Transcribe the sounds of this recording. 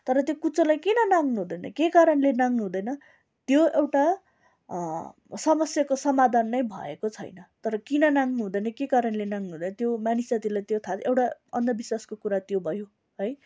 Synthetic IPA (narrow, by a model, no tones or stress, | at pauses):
t̪ʌɾʌt̪jokut͡sʌlajkinʌnaŋnuɦũd̪ʌjnʌ̰kekaɾʌnlenaŋnuɦũd̪ʌjnʌ | t̪joewʈa | sʌmʌsjakosʌmad̪ʱanːʌjbʱʌ̰ḛkot͡sʰʌ̰jnʌt̪ʌɾʌkinʌnaŋnuɦũd̪ʌjnʌkekaɾʌnlenaŋnuɦũd̪ʌjnʌt̪jomanisat̪ilajt̪jot̪ʰaewʈaʌ̰nd̪ʌbiswaskokuɾat̪jobʱʌjo | ɦʌj